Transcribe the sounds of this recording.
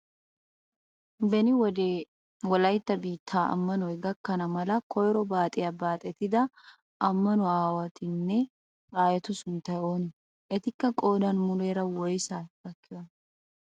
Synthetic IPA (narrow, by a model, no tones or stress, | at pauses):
bɛnɪw | wɔlɐjt̪ːɐbiːt̪ʰːaːʔɐ̰mːɐnɔjɡɐkːɐnɐmɐlɐkʰɔjɾɔbaːt̪ʼɪjɐbaːt̪ʼɛt̪ɪd̪ɐ | ʔɐmːɐnɔaːwɐt̪ɪnːɛ | ɾaːjɐt̪ʊsʊnt̪ɐjo̞ːnɪ | ʔɛt̪ɪkːɐkʼo̞ːd̪ɐnmʊleːɾɐwɔjsaːɡɐkːɪwɐn